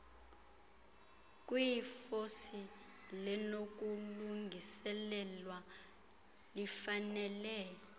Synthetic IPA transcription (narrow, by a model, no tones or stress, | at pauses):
k̬ʼwifosi | lɛnok̬ʼuluŋɡʱisɛlɛlwa | lifanɛlɛːjɔ